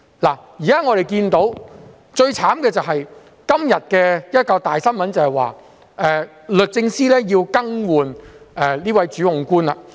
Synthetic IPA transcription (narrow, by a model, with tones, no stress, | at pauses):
laː˨˩jiː˨˩kaː˥ŋɔː˨˧ɾe˨jkiː˧nt̪o˨˥w | t͡ʃɵ˧ɥt͡sʰaː˨˥mkɛː˧t͡sɐ˨wɦɐ˨j | kɐ˥mjɐ˨t̚kɛː˧jɐ˥t̚kɐ˧wt̪aː˨jsɐ˥nmɐ˨˥nt͡sɐ˨˩hɐ˨˩jwa̰ː˨ | ʔɛː˨˧ | lɵ˨t̚t͡sɪ˧ŋsiː˥lɛː˥jiː˧wkɐ˥ŋwuː˨nɛ˨liː˥wɐ˨˥jt͡ʃyː˨˥hʊ˨ŋkuː˥nɐ̰˧˨